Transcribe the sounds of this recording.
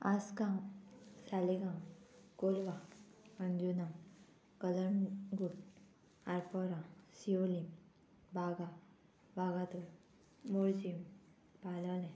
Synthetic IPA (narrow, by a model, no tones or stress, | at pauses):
askãŋsaleɡãŋkolʋaənd͡ʒuna | kələɳɡuʈ | aɾpɔɾasiolim | baːɡa | baːɡat̪o | moɾd͡ʒim | paːlalẽ